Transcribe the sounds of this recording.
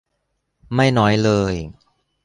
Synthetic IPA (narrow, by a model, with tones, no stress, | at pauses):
ma˥˩jnɔː˦˥jlɤː˧j